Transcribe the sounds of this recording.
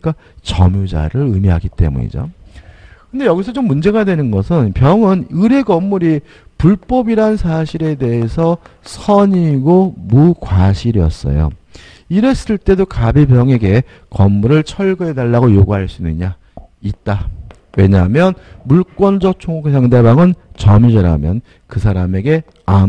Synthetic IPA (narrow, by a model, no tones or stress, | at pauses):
ik͈a | t͡ɕʌmjud͡ʑa̰ɾɯɾɯmiɦaɡit͈e̞̰mṵɲḭd͡ʑo̰ | kɯnde̞jʌɡisʰʌt͡ɕomːund͡ʑe̞ɡadwe̞nɯnɡʌsʰɯnpjʌŋɯnɯɾe̞ɡʌmːuɾi | puɭp͈ʌbiɾansʰaɕʰiɾe̞de̞esʰʌsʰʌɲiɡomukwaɕʰiɾiʌ̰s͈ʌ̰jo̰ | iɾes͈ɯɭt͈e̞dokabipjʌŋe̞ɡe̞ | kʌmːuɾɯɭt͡ɕʰʌɭɡɯedaɭːaɡojoɡuɦaɭs͈unɯɲa | it̚t͈a | we̞ɲaɦmjʌnmuɭk͈wʌnd͡ʑʌk̚t͡ɕʰoŋuksʰaŋdebaŋɯnt͡ɕʌmid͡ʑʌɾa̰mjʌn | kɯsʰaɾame̞ɡe̞ | a